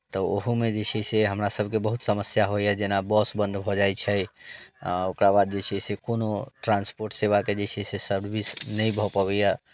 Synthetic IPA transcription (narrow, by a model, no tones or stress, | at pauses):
t̪ɔoɦumed͡ʒet͡ʃʰɛseɦəmɾasəbʱkebəɦut̪səməsjaɦojjad͡ʒenabɔsbə̃nd̪ʱbʱɔd͡ʒajt͡ʃʰɛjaokɾabad̪̚d͡ʒet͡ʃʰɛsekonoʈɾãnspoɾʈseβaked͡ʒet͡ʃʰɛsesəɾbisnəjbʱɔpəβɛja